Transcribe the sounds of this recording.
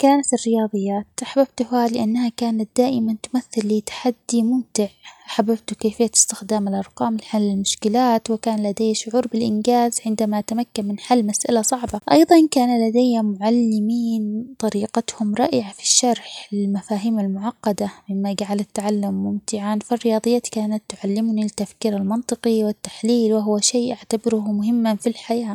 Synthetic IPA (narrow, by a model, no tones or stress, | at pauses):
kaːnat̪ɪrːɪjɑːðˤɨjːaːt̪ʔaħabab̚t̪ʊhhaːlɪʔanːahakaːnat̪̚d̪aːʔɪmant̪ʊmaθːɪlːɪt̪ḁħad̪ːimʊmt̪ɪʕʔaħabːab̚t̪ʊkeːfɪjːaɪ̥st̪ɪxd̪aːmɪlʔɑɾˤqɑːmɪlħalːɪlmʊʃkɪlaːt̪wɪkaːnlad̪eːaʃʊʕuːɾbɪlʔɪ̰nɡaːzʕɪnd̪amaʔat̪amakːanmɪnħalːmasʔa̰lasˤɑʕbɑʔɑ̰jðˤɑnkaːnalad̪ajːamʊʕalːɪmiːnt̪ˤɑɾiːqɑt̪hʊmɾˤɑːʔɪʕafi̥ʃːɑɾˤħɪlmafaːɦiːmalmʊʕɑqːɑd̪amɪmːaɡaʕalat̪ːʕalːamːʊmt̪ɪʕanfirːɪjɑːðˤɨjːat̪kaːnat̪ːʊʕalːɪmʊnilɪt̪ːafkiːɾalmɑnt̪ˤɨqiwɪt̪ːḁħliːlwɪɦʊwaʃeːʔaʕt̪abɪɾʊhmʊɦɪmːafilħajaː